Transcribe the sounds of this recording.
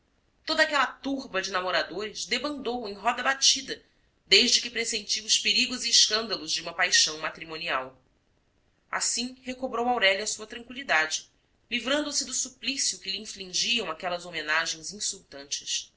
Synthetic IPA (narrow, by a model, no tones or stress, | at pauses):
t̪od̪ɐakɛlɐt̪uɾbɐd͡ʒɪnamoɾad̪oɾɪzd̪ebɐ̃nd̪owẽj̃ɦɔd̪ɐbat͡ʃid̪ɐ | d̪ejʒd͡ʒɪkɪpɾesẽnt͡ʃiwʊʃpeɾiɡʊziɪʃkɐ̃nd̪ɐlʊzd͡ʒɪũmɐpajʃɐ̃w̃mat̪ɾimõnia̰w | a̰sĩhekobɾowawɾɛʎɐsuɐt̪ɾɐ̃ŋkwilid̪ad͡ʒɪ | livɾɐ̃nd̪ʊsɪd̪ʊsuplisjʊkɪliĩflĩŋʒiɐ̃w̃akɛlɐzomenaʒẽj̃zĩsuwt̪ɐ̃nt͡ʃɪ̥s